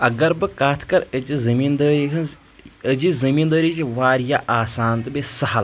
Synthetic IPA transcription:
ɐɡɐɾbɨkaːt̪ʰkɐɾəd͡ʒizɐmiːnd̪əːɾiɦɐn | əd͡ʒizɐmiːnd̪əːɾid͡ʒiʋaːɾjaʔaːsaːnt̪ɨbesɐɦɐl

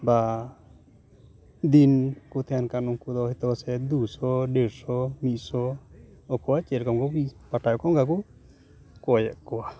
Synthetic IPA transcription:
ba | d̪inkut̪ʰɛankanɔŋkud̪ɔɦɛt̪ɔwasɛd̪usɔɖɛɾsɔmit̪̚ˀsɔɔkɔwat͡ʃɛɾkɔmɡɔbiʔpaʈajɔkɔŋɡak̬u | kɔjɛʔkɔwa

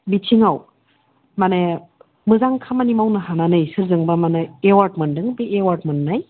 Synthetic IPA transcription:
bitʰiŋaw | mane | mɯzaŋkʰamanimawnɐɦananɯjsɯɾzɯŋbamaneewaɾtmɯndɯŋbeʔewaɾt̚mɯnːaj

